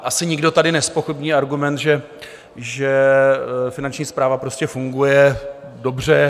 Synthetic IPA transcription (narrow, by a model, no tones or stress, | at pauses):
ʔasɪɲɪɡdo̞t̪adɪnɛspo̞xɪbɲiːaɾɡumɛnt̪ʒɛ | ʒɛ | fɪnant͡ʃɲiːspɾaːvapɾo̞scɛfuŋɡujɛ | do̞br̝ɛ